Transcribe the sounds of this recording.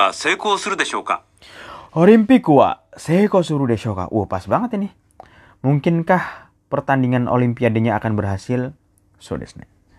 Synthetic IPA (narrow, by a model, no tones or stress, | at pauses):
asekosuɾud̪eʃoka̰ | oɾimpikua̰sekosuɾudeʃoka̰ʔupasbaŋət̪inɪh | muŋkɪnkah | pərt̪andiŋanʔo̰limpiadeɲaːkanbərɦasɪl | so̰dɛ̰snɛ̰